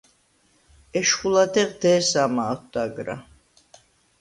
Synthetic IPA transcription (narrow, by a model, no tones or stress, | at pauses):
ɛʃχulad̪ɛqd̪ɛːsamaːχʰd̪aɡɾa̰